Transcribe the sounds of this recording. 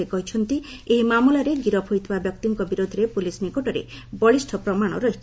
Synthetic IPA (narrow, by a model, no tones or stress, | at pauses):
ekɔɦit͡ʃʰɔnt̪i | eɦimamulaɾeɡiɾɔpʰojt̪ʰbabjɔkt̪iŋkɔbiɾod̪ʱɔɾepulisnikɔʈɔɾḛbɔɭisʈʰɔpɾɔmaɽ̃ɔ̰ɾɔɦit̪ʰ